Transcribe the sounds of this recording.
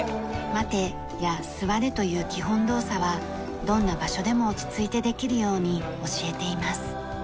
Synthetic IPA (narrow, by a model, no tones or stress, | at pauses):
mat̪e̞ | jasɨβaɾe̞t̪o̞jɯ̟ːkʲiɦõ̞nd̪o̞ːsaβa | d̪õ̞nːabaɕo̞d̪e̞mo̞ːt͡ɕi̥t͡sɨit̪e̞d̪e̞kʲiɾɯ̟jo̞ːɲ̟i | o̞ɕie̞t̪e̞imasɨ̥